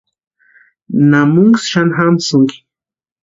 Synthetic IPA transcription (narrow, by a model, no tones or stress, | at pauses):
namuŋɡsʃanxamsuŋki̥